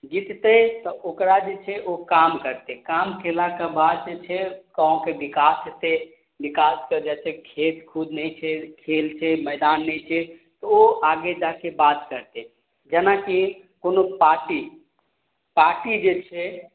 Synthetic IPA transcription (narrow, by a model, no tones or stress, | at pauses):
d͡ʒit̪t̪ət̪ɔʔokɾad͡ʒet͡ʃʰɛʔokamkəɾt̪ekamkʰelakebad̪d͡ʒet͡ʃʰɛkaõkebikast̪e | bikasked͡ʒɛt͡ʃʰekʰet̪kʰud̪nɛjt͡ʃʰɛkʰelt͡ʃʰɛmɛɪd̪anːɛjt͡ʃʰɛt̪ɔoaɡed͡ʒakebat̪kəɾt̪e | d͡ʒənaki | konopaɾʈi | paɾʈid͡ʒet͡ʃʰɛ